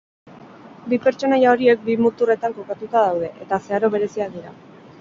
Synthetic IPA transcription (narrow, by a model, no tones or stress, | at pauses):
bipe̞ɾt͡ʃo̞najao̞ɾie̞k̚bimut̪ure̞t̪aŋko̞kat̪ut̪aðawðe̞ʔet̪ase̞aɾo̞βe̞ɾe̞siakd̪iɾa̰